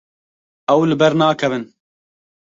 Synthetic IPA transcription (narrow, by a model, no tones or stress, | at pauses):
ɛwlɨbɛɾnaːkʰɛvɨn